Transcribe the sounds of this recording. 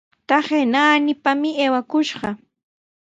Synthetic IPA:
t̪aχenaːnɪpamɪeːwakʊʃɢɑ

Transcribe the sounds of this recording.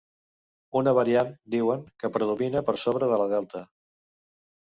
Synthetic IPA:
unəβəɾiand̪iwəŋkəpɾəðuminəpəɾsoβɾəð̞ələðɛlˠt̪ə

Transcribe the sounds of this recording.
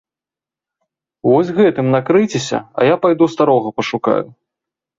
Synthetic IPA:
vɔsʲɣɛt̪ɨmnakɾɨjt͡sʲesʲɐ̰ɐ̰japajd̪ust̪aɾɔɣɐpɐʂuka̰ju

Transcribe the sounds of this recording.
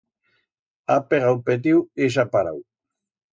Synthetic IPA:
apeɣawpet̪̬iwiʃ̬apaɾa̰w

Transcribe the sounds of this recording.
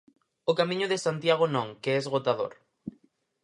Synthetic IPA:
okamĩɲʊðɪsant̪jaɣ̞onõŋkeɛzɣot̪aðo̰ɾ

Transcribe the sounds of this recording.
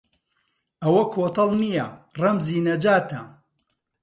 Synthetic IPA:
ʔɐwɐkʰoːt̪ɐlˠnijɐrɐmziːnɐd͡ʒaːt̪ʰɐ

